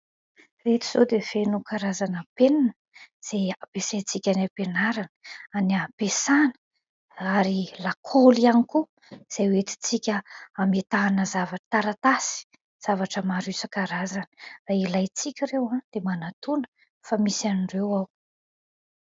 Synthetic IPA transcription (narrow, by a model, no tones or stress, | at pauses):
ret̪i̥z̥od̪ev̥enukʰaɾazanəpenanəz̥eapesat͡sikʲanapenaɾanə̥aniapesanə̥ | aɾilakʰolianiku | z̥ajwet̪i̥t͡sikʲəamet̪aːnəzavḁt̪aɾat̪asi̥ | z̥avaʈ͡ʂəmaɾusəkaɾazanərailajt͡sikʲiɾewãd̪̥emanat̪unə̥ | famisianiɳɖ͡ʐewaw